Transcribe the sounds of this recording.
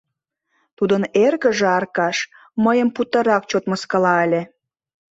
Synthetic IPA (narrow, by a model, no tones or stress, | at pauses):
t̪ud̪ənerɣə̆ʒeɑrkɑʃ | məjəmput̪əɾɑk̚t͡ɕot̪məskɑlɑəlʲe